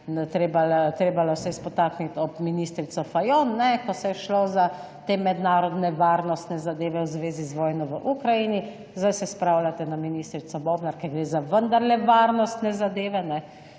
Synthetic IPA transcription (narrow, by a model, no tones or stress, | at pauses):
t̪ɾeːbalat̪ɾeːbalɔsɛspɔt̪aːknit̪ɔpminiːst̪ɾit̪sɔfajonːɛkɔsɛjɛʃloza | t̪eːmɛd̪naːɾɔd̪nɛʋaːɾnɔst̪nɛzad̪eːʋɛwzʋeːzizʋɔːjnɔʋəʔukɾajini | zd̪ajsɛspɾawlʲat̪ɛnaminiːst̪ɾit̪sɔbɔːbnaɾkɛɾɡɾeːzaʋənd̪aɾlɛʋaːɾnɔst̪nɛzad̪eːʋɛnɛ